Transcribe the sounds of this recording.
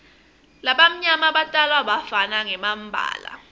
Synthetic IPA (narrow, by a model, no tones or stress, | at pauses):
laɓam̩ɲamaɓatʼalwaɓafanaŋɛmam̩bʱa̰ːla̰